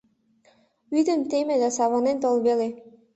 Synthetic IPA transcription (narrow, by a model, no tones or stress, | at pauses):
yd̪ə̆mt̪emĕd̪æsɑβɑnent̪olˠbele